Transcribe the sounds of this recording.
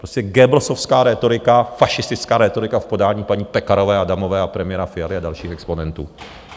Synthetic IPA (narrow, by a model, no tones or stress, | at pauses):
pɾoscɛɡɛbɾosofskaːɾɛːt̪o̞ɾɪkafaʃɪst̪ɪt͡skaːɾɛt̪o̞ɾɪkafpo̞daːɲiːpaɲiːpɛkaɾo̞vɛːadamovɛːapɾɛmɪjɛɾafɪjalɪadalʃiːxɛksponɛnt̪ṵː